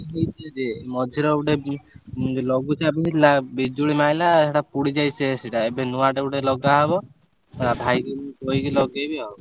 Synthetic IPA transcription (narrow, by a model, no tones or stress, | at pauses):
ɦojtʰed͡ʒemɔd̪ʱiɾɔuʈe | lɔɡut͡ʃabiɦilabid͡ʒuɽimajlaeʈapuɽid͡ʒajseseʈaebenuaʈeuʈelɔɡaɦɔbɔ | eɾabʱajɾeikojkilɔɡejbeɦɔbɔ